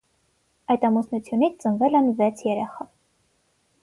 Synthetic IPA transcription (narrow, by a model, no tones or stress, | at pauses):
ɑjt̪ɑmusnut͡sʰjunit͡sʰt͡sənvɛlɛnvɛt͡sʰjɛɾɛχɑ